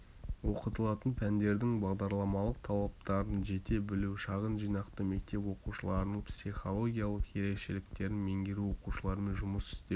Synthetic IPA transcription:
wo̞qət̪əlˠɑt̪ənpʰænd̪e̞ɾd̪ɪŋbɑʁd̪ɑɾlˠɑmɑlˠəq̚t̪ʰɑlˠɑp̚t̪ɑɾd̪ənʒe̞t̪e̞bɪluʃɑʁənʒijnɑqt̪əme̞k̚t̪e̞pwo̞quʃəlˠɑɾənəɴpsiχo̞lˠo̞ɡʲijalˠəqje̞ɾe̞kʃe̞lɪk̚t̪e̞ɾɪnme̞ŋɡʲeɾuwo̞quʃəlˠɑɾəmenʒʊməsɪ̥st̪e

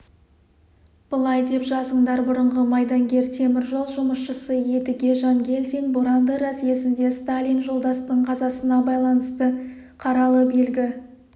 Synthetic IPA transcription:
b̥əlˠɑjd̪e̞pʒɑzəɴd̪ɑɾbʊɾəɴʁəmɑjd̪ɑŋɡʲe̞ɾt̪ʰe̞mɪɾʒo̞lˠʒʊməsʃəsəje̞d̪ɪɡʲe̞ʒɑŋɡʲe̞lʲd̪iŋboɾɑnd̪əɾɑse̞sɪnd̪e̞st̪alʲijnʒolˠd̪ɑst̪əɴqʰɑzɑsənɑbɑjlˠɑnəst̪ə | qʰɑɾɑlˠəbe̞lɡʲɪ

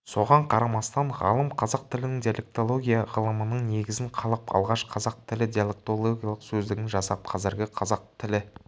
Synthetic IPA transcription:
so̞ʁɑɴqʰɑɾɑmɑst̪ɑnʁɑ̰lˠəmqʰɑzɑq̚t̪ɪlɪnɪŋd̪ijale̞k̚t̪o̞lˠo̞ɡʲijɑʁəlˠəmənəɴne̞ɡʲɪzɪŋqʰɑlˠəpɑ̰lˠʁɑʃqʰɑzɑq̚t̪ʰɪlɪd̪ʲijalˠe̞k̚t̪o̞lˠo̞ɡʲijɑlˠəqsɵzd̪ɪɡʲɪnʒɑsɑp̚qʰɑzɪɾɡʲɪqʰɑzɑq̚t̪ʰɪlɪ

